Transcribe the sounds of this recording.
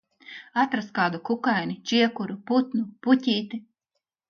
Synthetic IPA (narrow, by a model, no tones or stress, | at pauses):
at̪ɾaskaːd̪ukukajnʲit͡ʃiɛkuɾuput̪nupucʲiːt̪i